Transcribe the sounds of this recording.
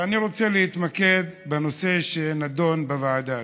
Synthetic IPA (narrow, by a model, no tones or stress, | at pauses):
aniʁo̞t͡se̞leit̪make̞d̪beno̞se̞ʃenad̪o̞nbevaad̪a